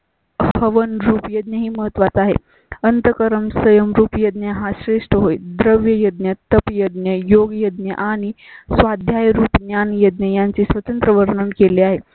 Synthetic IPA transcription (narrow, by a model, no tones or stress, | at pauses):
həʋənɾuːpjəd̪njəɦiːməɦət̪ʋat͡s̪aɦḛ | ənt̪əkəɾəmsəjəmɾuːpjəd̪njəɦãɕɾeʂʈəɦojd̪ɾəʋjəjəd̪njət̪əpjəd̪njəjoɡjəd̪̚njəʔaɽ̃i | sʋad̪ʱjajɾuːpnjanjəd̪njəjaɲt͡siːsʋət̪ənt̪ɾəʋəɾɳəmkeleaɦe